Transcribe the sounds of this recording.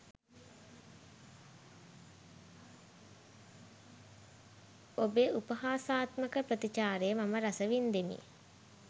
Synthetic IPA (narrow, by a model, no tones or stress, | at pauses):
obeupəɦaːsaːt̪məkəpɾət̪it͡ʃaːɾejəmaməɾasəʋind̪emḭ